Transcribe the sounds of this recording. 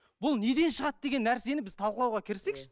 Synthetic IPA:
bʊlˠne̞d̪e̞nʃəʁɑt̪̚d̪e̞ɡʲe̞nːæɾse̞nɪbɪzt̪ʰɑlˠqəlˠɑwʁɑkʲʰɪɾse̞kʃɪ̥

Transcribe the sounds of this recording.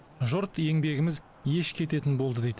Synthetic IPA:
ʒʊɾt̪e̞ŋbe̞ɡʲɪmɪz | je̞ʃkʲʰe̞t̪e̞t̪ɪnbo̞lˠd̪əd̪ejd̪

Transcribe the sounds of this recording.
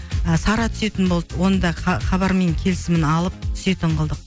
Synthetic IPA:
əsɑɾɑt̪ʰʏ̥se̞t̪ɪnbolˠd̪wo̞nəd̪ɑχɑbɑɾme̞ŋkʲʰe̞lɪsɪmɪnɑlˠəp̚t̪ʰʏ̥se̞t̪ɪɴqʰəlˠd̪əq̚

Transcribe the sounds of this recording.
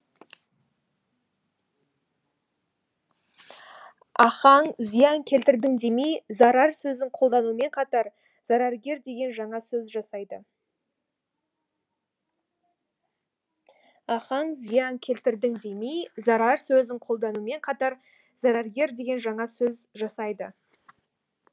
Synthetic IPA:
ɑχɑŋzijɑŋkʲʰe̞lt̪ɪɾd̪ɪŋd̪e̞mejzɑɾɑɾsɵzɪŋqʰo̞lˠd̪ɑnume̞ɴqʰɑt̪ɑɾ | zɑɾɑɾɡʲe̞ɾd̪e̞ɡʲe̞nʒɑɴɑsɵzʒɑsɑjd̪ə | ɑχɑɴzijɑŋkʲʰe̞lt̪ɪɾd̪ɪŋd̪emejzɑɾɑɾsɵzɪɴqʰo̞lˠd̪ɑnume̞ɴqʰɑt̪ɑɾ | zɑɾɑɾɡʲe̞ɾd̪e̞ɡʲe̞nʒɑɴɑsɵzʒɑsɑjd̪ə

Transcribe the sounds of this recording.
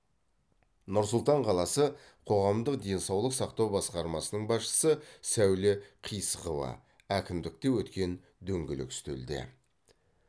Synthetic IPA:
nʊɾs̬ʊlˠt̪ɑɴqʰɑlˠɑsə | qʰo̞ʁɑmd̪əqd̪e̞nsɑwlˠəqsɑqt̪ɑwbɑsqɑɾmɑsənəɴbɑsʃə̥səsæwlɪqʰijsəqəvɑ̰ | ækʲɪmd̪ɪk̚t̪e̞wɵt̪kʲe̞n | d̪ɵŋɡʲɪlɪ̰kst̪ḛld̪ḛ

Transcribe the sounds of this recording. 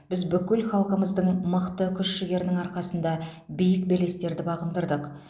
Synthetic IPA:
b̥ɪzbʏkʲɪlχɑlˠqəməzd̪əɴməqt̪əkʲʰʏʃʃɪɡʲe̞ɾɪnɪŋɑɾqɑsənd̪ɑbijɪkbele̞st̪e̞ɾd̪ɪbɑʁənd̪əɾd̪əq

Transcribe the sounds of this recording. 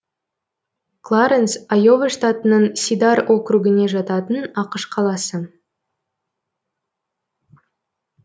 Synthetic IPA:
klˠaɾensajo̞veʂt̪at̪ənəɴsʲid̪ɑɾo̞kɾuɡʲɪne̞ʒɑt̪ɑt̪ənɑqəʃqʰɑlˠɑsə

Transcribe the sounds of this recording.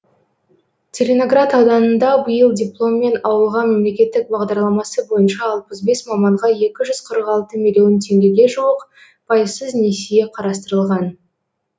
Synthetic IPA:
t͡sʲʰelʲeno̞ɡrat̪ɑwd̪ɑnənd̪ɑbəjəlˠd̪ʲiplˠo̞mːe̞nɑwəlˠʁɑme̞mle̞kʲe̞t̪ːɪk̚bɑʁd̪ɑɾlˠɑmɑsəbo̞jənʃɑːlˠpəzbe̞smɑmɑɴʁɑje̞kʲɪʒʏz̥qʰəɾəqɑlˠt̪əmʲilʲjo̞nt̪ʰe̞ŋɡʲe̞ɡʲe̞ʒuwəq | pʰɑjəsəzne̞sije̞qʰɑɾɑst̪əɾəlˠʁɑn

